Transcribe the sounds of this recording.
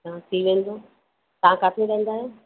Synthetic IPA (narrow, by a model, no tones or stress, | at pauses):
ãt̪ʰiʋẽːnd̪o | t̪ɐãkaːt̪ʰeʋɛ̃ːnd̪aːɦeː